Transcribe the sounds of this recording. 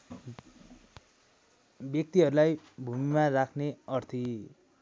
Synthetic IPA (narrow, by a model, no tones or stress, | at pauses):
bjʌk̚t̪iɦʌɾulajbʱumimarakʰneʌrt̪ʰi